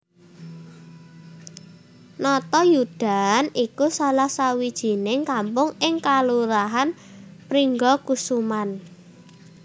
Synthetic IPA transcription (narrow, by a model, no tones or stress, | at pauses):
nɔt̪ɔjud̥a̤nikusalahsawid̥ʒ̥i̤nɪŋkampʊŋɪŋkaluɾaɦan | pɾiŋɡɔkusuman